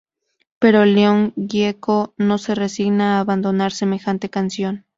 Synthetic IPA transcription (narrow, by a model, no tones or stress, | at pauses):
pe̞ɾoleoŋɡjekono̞seresiɣnaːβand̪o̞naɾsemexant̪ekansjon